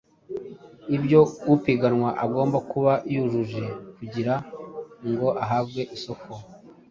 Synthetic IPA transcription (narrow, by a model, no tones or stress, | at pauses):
ibɟjo̞wupiɡanŋwaʔaɡo̞ːmbakuβaʔijuʒuʒe̞kuɟiɾaŋɡo̞ʔaɦaːβɡe̞ʔiso̞ko